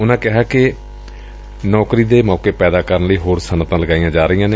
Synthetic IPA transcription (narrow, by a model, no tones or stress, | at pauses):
ʊnãːkɪɦaːkɪ | nɔːkɾiːd̪eːmɔːkeːpɛːd̪aːkəɾənləiːɦoːɾsənət̪ãːləɡaːijãːd͡ʒaːɾəijãːne